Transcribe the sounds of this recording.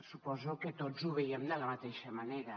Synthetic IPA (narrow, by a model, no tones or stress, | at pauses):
supɔzoket̪ozuβeiemd̪əlamat̪eʃamaneɾɐ